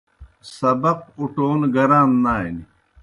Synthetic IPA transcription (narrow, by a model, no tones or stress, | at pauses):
sɐbɐq̚uʈoːnɡɐɾaːnnaːini